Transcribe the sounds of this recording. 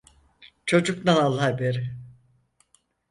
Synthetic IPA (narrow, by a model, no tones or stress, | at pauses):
t͡ʃʰo̞d͡ʒuknanalˠːahbeɾɪ